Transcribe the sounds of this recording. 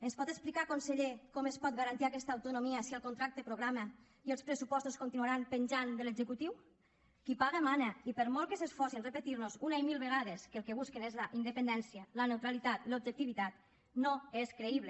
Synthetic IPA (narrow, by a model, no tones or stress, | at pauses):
enspɔt̪esplikakonseʎekɔmespɔt̪̚ɡaɾant̪iakɛst̪aːwt̪unomiasiəlˠkont̪ɾak̚t̪epɾoɣɾamə | ielˠspɾesupɔst̪uskont̪inuaɾampenʲʒand̪əlezekut̪iw | kipaɣ̞emaneipəɾmɔlˠkesesfɔsinrepet̪iɾnozunaimilˠβeɣ̞aðeskəlˠkeβ̞uskenezlaʔind̪əpend̪ɛnsjalənewt̪ɾalit̪at̪lob̚ʒek̚t̪iβit̪at̪ | noeskɾeiβle